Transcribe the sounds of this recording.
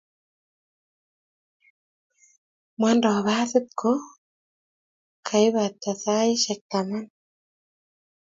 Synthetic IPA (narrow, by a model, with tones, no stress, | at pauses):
mwa˦ndɔ˨βa˦sɪ˦t̪̚kʰo˦ | kʰa˨ɪ˦βa˨t̪ːa˨sa˦ɪ˦ʃɛ˨k̚t̪a˨ma˦n